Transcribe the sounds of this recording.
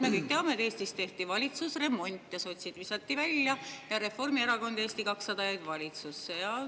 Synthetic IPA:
me̞kɤjk̚t̪eɑmeet̪e̞ːst̪ist̪e̞ht̪ivɑlʲit̪susre̞mːo̞nʲt̪ʲˑːjɑso̞t̪ʲsid̪visɑt̪ːivælʲjɑjɑɾe̞fo̞rmieɾɑko̞nd̪e̞ːst̪ikɑksːɑd̪ɑjɑjd̪̥vɑlʲit̪susːejɑ

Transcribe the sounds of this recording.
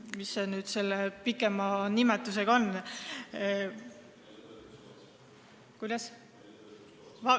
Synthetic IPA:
misenyːd̪̥se̞lːepikːˑe̞mɑnimet̪ːˑuse̞ɡ̥ɑo̞n | kujd̪̥ɑs | vɑ

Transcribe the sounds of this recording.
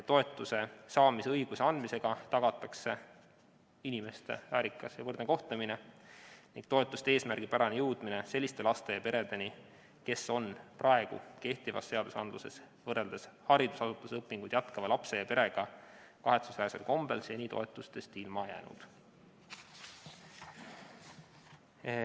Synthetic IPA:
t̪ːo̞e̞t̪ːˑuse̞sɑːmiseɤjɡ̥useɑnd̪mise̞ɡ̥ɑt̪ɑɡ̥ɑt̪ːˑɑkse̞ | inime̞st̪e̞̰væːɾikːˑɑsjɑvɤrd̪neko̞ht̪emine̞niŋɡ̥t̪o̞e̞t̪ːˑust̪ee̞ːsmærɡ̥ipæɾɑnejɤwd̪̥mine̞se̞lːist̪e̞lɑst̪e̞jɑpe̞ɾe̞d̪e̞ni | ke̞so̞nprʔɑe̞ɡ̥ṵke̞ht̪ivɑ̰sːe̞ɑd̪̥usɑnd̪luse̞s | vɤrːe̞ld̪̥eshɑɾid̪̥usɑsut̪ːˑusɤpːˑiŋɡ̥ujd̪̥jɑt̪kɑvɑlɑpse̞jɑpe̞ɾe̞ɡ̥ɑ | kɑɦe̞t̪susæːsḛlko̞mb̥e̞lsjenʲit̪o̞̰e̞t̪ːˑust̪e̞st̪ilmɑjæːnṵd̪̥

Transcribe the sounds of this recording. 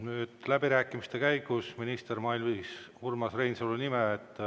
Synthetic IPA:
nyːd̪̥læbiɾæːkːˑimist̪e̞kæjɡusminist̪ermɑilviːshurmɑsrejnsolunimeːt̪ː

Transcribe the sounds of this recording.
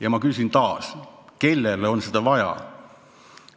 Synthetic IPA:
jɑmɑkysint̪ɑːske̞lːeleo̞nsed̪̥ɑvɑjɑ̰

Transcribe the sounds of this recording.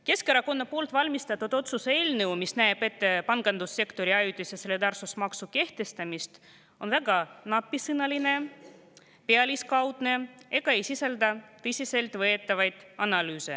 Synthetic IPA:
ke̞skeɾɑko̞nːɑpo̞ːlt̪ˑvɑlʲmist̪ɑt̪ːˑud̪̥o̞t̪suse̞ːlnewmisnæeb̥e̞t̪ːepɑnɡ̥ɑnd̪usːe̞kt̪o̞ɾiɑjut̪ʲːˑisjeseled̪ɑrsusmɑksuke̞ht̪e̞st̪ɑmist̪ | o̞nvæɡɑnɑpːˑisɯnɑline̞ | peɑlʲiskɑwd̪̥ne̞e̞ɡ̥ɑe̞jsisɑld̪ɑt̪ɤsʲise̞lt̪vɤe̞t̪ːˑɑvɑjd̪̥ɑnɑlyːse̞̰

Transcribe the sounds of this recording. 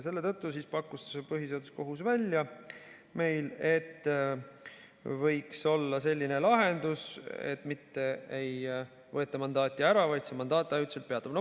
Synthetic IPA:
se̞lːe̞t̪ɤ̞t̪ːusiːspɑkːˑust̪e̥sepɤɦise̞d̪usko̞ɦusvælʲjɑ | me̞jle̞t̪ː | vɤ̞jkso̞lːɑse̞lʲːine̞lɑɦe̞nd̪usḛt̪ːˑmit̪ːe̞ej | vɤ̞et̪ːˑɑmɑnd̪ɑːt̪ʲːˑiæɾɑvɑjt̪semɑnd̪ɑːt̪ːˑæyt̪selt̪̚peɑt̪ːˑɑmnɑ

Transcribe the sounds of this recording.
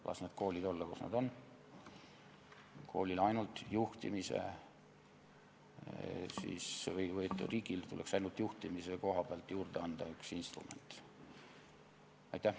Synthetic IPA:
lʔɑ̰sned̪̥̚kʰo̞ːlid̪̥olːɑkusnɑ̰d̪o̞n | kʰo̞̰ːlilɑjnult̪ˑjuht̪imisḛ | sḭːsvɤjvɤjet̪ːˑriːɡ̥ilt̪uleksɑjnult̪ˑjuht̪imiseko̞ɦɑb̥eɑlt̪ːjuːrd̪̥eɑnd̪̥ɑyksinst̪rṵme̞̰nt̪ | ɑ̰jt̪ːˑæh

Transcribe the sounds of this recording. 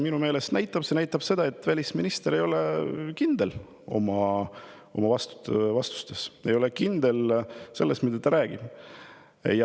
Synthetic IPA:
minume̞ːle̞st̪næjt̪ˑːɑb̥se̞næjt̪ːˑɑb̥se̞d̪̥ɑet̪ːˑvælʲisminist̪e̞ɾe̞jo̞lekind̪̥el | o̞̰mɑ | o̞̰mɑvɑst̪u̥vɑst̪u̥st̪e̞se̞jo̞lekind̪e̞lse̞lːest̪mid̪ɑt̪ɑɾæːɡ̥ib̥ | j

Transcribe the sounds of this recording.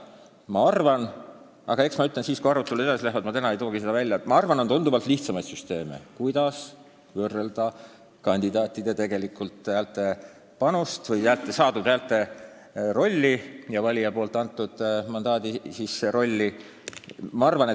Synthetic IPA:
mɑɑrvɑn | ɑ̰ɡ̥ɑe̞ksmɑyt̪lensiːskujɑɾut̪ːˑelue̞d̪ɑsilæhvɑd̪mɑt̪ænɑejt̪o̞ːɡise̞d̪ɑvælʲjɑmɑɑrvɑno̞nt̪und̪uvɑlt̪liht̪sɑmɑjd̪syst̪e̞ːmḛkujd̪̥ɑs | vɤrːeld̪̥ɑ | kɑnʲd̪̥id̪ɑːt̪ʲˑːid̪̥e̞t̪e̞ɡ̥e̞likːult̪ˑæːlt̪ːe̞ | pɑnust̪vɤjæːlt̪ːˑesɑːd̪ud̪̥æːlt̪ːˑe̞ | ro̞lʲːijɑvɑlʲijɑpo̞ːlt̪ːˑɑnt̪ːˑud̪̥mɑnd̪ɑːd̪isiseɾo̞lʲːi | mɑɑrvɑnet̪

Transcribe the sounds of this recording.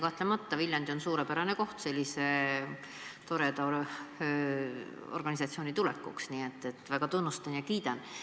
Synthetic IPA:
kɑht̪ˑlemɑt̪ːɑviljɑnd̪̥io̞nsuːɾepæɾɑneko̞ht̪se̞lʲːise̞ | t̪o̞ɾed̪ɑ | orɡ̥ɑnʲisɑt̪sio̞ːnit̪ulɛ̰kːṵksniːe̞t̪ːe̞t̪ːˑvæɡ̥ɑt̪unːust̪ɑnjɑkiːd̪̥ɑn

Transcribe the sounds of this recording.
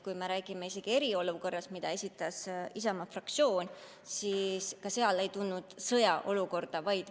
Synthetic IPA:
kujme̞ɾæːɡ̥imeise̞ɡ̥ie̞ɾio̞luko̞rːɑst̪mid̪̥ɑe̞sʲit̪ːˑɑsisɑmɑfrɑk̚t̪sjo̞ːnʲ | siskɑse̞ɑle̞jt̪unːud̪̥sɤjɑʔo̞luko̞rd̪̥ɑvɑjd̪̥

